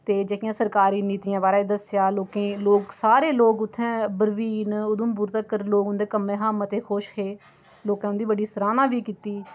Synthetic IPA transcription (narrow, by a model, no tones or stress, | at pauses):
t̪eːd͡ʒeːkɪjãːsəɾkaːɾiːniːt̪iːãːbaːɾaːd̪əsjaːloːkẽːloːksaːɾeːloːkʊt̪ʰːɛ̃ːbəɾʋiːnʊd̪ʊmbʊɾt̪əkːəɾloːkʊnd̪eːkəmːẽːɦaːmət̪eːkʰoːʃɦeː | loːkãːnd̪iːbəɽiːsəɾaːnãːʋiːkiːt̪iː